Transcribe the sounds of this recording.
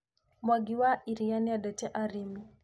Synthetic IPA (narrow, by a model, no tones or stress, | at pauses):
mwaɡiwaʔiɾijaniadatɛʔaɾimi